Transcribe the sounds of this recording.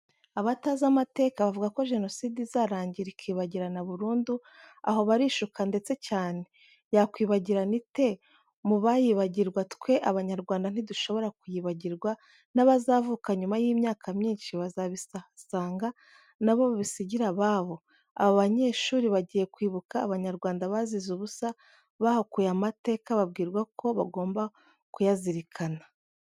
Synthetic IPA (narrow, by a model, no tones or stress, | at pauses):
aβatazamate̞ːkaβavuɡako̞ʒe̞no̞siːdizaɾaːɲɟiɾikʰiːβaɟiɾanaβuɾuːndu | a̰ho̞βaɾiːʃukande̞t͡se̞caːne̞ | jakwiːβaɟiɾanite̞ | muβajiβaɟiɾɡwatkwe̞ʔaβaɲaɾɡwaːndan̥iduʃo̞βo̞ɾakujiβaɟiɾɡwa | naβazavukaɲumajiːmɲaːkʰamɲiːnʃiβazaβissaːŋɡa | naβo̞βaβisiɟiɾaβaːβo̞ | a̰βoβaɲe̞ːʃuːɾiβaɟije̞kwiːβukaːβaɲaɾɡwaːndaβazizuβusa | βahokujamate̞ːkaβabɡiːɾɡwakʰo̞βa̰ɡo̞ːmba | kujaziɾikʰana